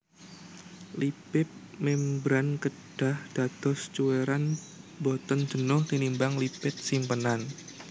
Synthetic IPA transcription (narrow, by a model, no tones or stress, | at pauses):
lipɪp̚mɛmbɾankə | ɖ̥a̤hd̥a̤t̪ɔst͡ʃuweɾan | bɔt̪ən̥d͡ʒ̥ə̤nʊhlinimbaŋlipɪt̪̚simpənan